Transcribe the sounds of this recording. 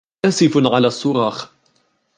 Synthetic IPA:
aːsɪfʕalaːsˤːʊɾˤɑːx

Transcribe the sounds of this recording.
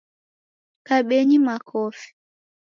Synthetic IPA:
kaɓeɲimakʰɔfi̥

